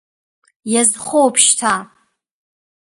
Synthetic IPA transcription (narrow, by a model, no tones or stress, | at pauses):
jazχowpʰʃtʰa